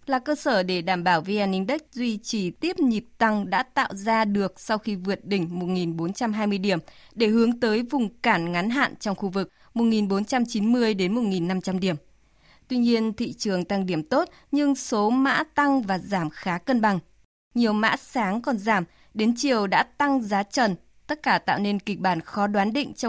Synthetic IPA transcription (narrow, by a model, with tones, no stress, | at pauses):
laː˨˩kəː˧səː˧˩ɗe˧˩ɗaː˧˩mɓaː˧˩wvi˧ʔaː˧nːï˧ŋ̟ɗə˦˥k̚zwi˧t͡ɕi˧˩t̪i˦˥əp̚ɲi˨˩p̚t̪a˧ŋɗa̰ː˧˥t̪a̰ː˧˨wzaː˧ɗɨ˨˩ək̚sa˧wxi˧vɨ˨˩ət̚ɗï˧˩ŋ̟mo˨˩t̚ŋi˨˩nɓo˨˦nt͡ɕa˧mɦaː˧jmɨ˧əjɗi˧˩əm | ɗe˧˩ɦɨ˨˦əŋt̪əː˨˦jvʊ˨˩ŋ͡mkaː˧˩nŋa˨˦nɦa̰ː˧˨nt͡ɕɔ˧wŋ͡mxu˧vɨ˨˩k̚ | mo˨˩t̚ŋi˨˩nɓo˨˦nt͡ɕa˧mt͡ɕi˨˦nmɨ˧əjɗe˨˦nmo˨˩t̚ŋi˨˩nːa˧mt͡ɕa˧mɗi˧˩əm | t̪wi˧ɲi˧ənt̪ʰḭ˧˨t͡ɕɨ˨˩əŋt̪a˧ŋɗi˧˩əmt̪o˦˥t̚ | ɲɨ˧ŋso˨˦ma̰ː˧˥t̪a˧ŋvaː˨˩zaː˧˩mxaː˨˦kə˧nɓa˨˩ŋ | ɲi˨˩əwma̰ː˧˥saː˨˦ŋkɔ˨˩nzaː˧˩m | ɗe˨˦nt͡ɕi˨˩əwɗa̰ː˧˥t̪a˧ŋzaː˨˦t͡ɕə˨˩n | t̪ə˦˥t̚kaː˧˩t̪a̰ː˧˨wne˧nkï˨˩k̟̚ɓaː˧˩nxɔ˨˦ɗwaː˨˦nɗḭ̈˧˨ŋ̟t͡ɕɔ˧